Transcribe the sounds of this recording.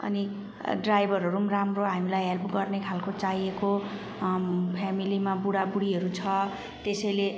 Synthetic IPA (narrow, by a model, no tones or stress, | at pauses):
ʌ̰ni | ɖrajbʱʌɾɦʌɾumramroɦamilajɦelpɡʌrnekʰalkot͡saɦieko | pʰamilimabuɽabuɽiɦʌɾut͡sʰʌ | t̪esʌjle